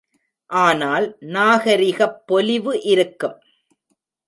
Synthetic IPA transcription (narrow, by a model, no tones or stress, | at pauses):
ʔaːnaːlnaːɣɐɾɪɣɐpːɔlɪʋɯʔɪɾɯkːɯm